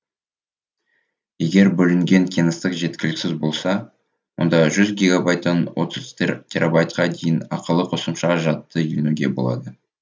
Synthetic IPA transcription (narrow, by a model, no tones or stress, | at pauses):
je̞ɡʲe̞ɾbɵlɪŋɡʲe̞ŋkʲʰijnəst̪əqʒe̞t̪̚kʲɪlɪksɪzbo̞lˠsɑ | wo̞̰nd̪ɑʒʏzɡʲiɡabajt̪ːɑnwo̞̰t̪əzt̪ʲʰeɾabajt̪qɑd̪e̞jɪnɑqəlˠəqʰosəmʃɑʒɑt̪ːəlenʉɡʲe̞bo̞̰lˠɑ̰d̪ə